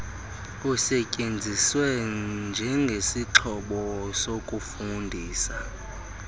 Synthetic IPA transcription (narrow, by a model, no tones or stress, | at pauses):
kusɛcʼend͡zʱiswɛnd͡ʒʱɛŋɡʱesiǁʰɔɓɔsokʼufundʱiːsa